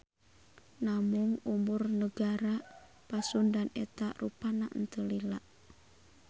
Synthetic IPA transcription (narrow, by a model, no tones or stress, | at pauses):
namuŋumurnəɡaɾa | pasundanɛt̪arupanaʔnt̪əlila̰ʔ